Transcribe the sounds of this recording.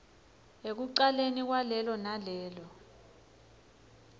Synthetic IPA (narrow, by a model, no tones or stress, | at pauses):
ek̬uǃalenik̬walɛlɔnalɛːlɔ